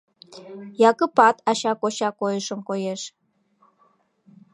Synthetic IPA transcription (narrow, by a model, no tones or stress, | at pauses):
jɑkə̆pɑt̪ɑɕɑkoɕɑkojəʃəmkojeʃ